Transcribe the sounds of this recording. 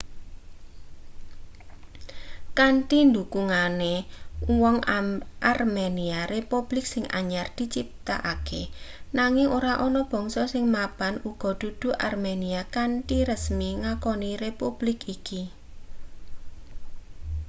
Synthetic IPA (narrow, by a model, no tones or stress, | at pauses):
kaɳʈind̪ukuŋanewɔŋʔarmeniarepub̥lɪksɪŋa̰ɲard̪̥i̤t͡ʃip̚t̪a̰ʔakenaŋɪŋoɾaʔɔnɔb̥ɔ̤ŋsɔsɪŋmapanuɡ̥ɔ̤d̪̥ṳd̪̥ṳʔa̰rmeniakanʈiɾəsmiŋakɔnirepub̥lɪkiki